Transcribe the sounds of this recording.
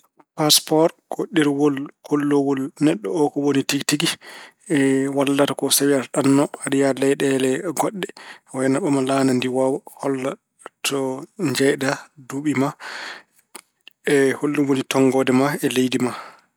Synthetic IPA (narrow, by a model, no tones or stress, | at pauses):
paspɔɾɡ̥oɗːiɾwɔlkolːowɔlnɛɗːɔɔkɔwonitiɡtiɡi | ɛwalːatakɔsawiaɾɗanːɔaɗijalɛjɗɛlɛɡɔɗːɛwajnaɓɔmalanandiwawɔhɔlːa | tʰɔɲd͡ʒɛjdaduɓima | ɛholːuwonitɔŋɡɔːdɛmaɛlejdima